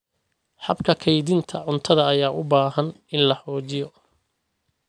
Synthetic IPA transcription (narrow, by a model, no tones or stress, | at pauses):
ħɑbkʰɐkʰɛjðɪnt̪ʰɐʕʊnt̪ʰɐðɐːjaːʔʊbaːhɐnɪnlɐħɔːt͡ʃɪjɔ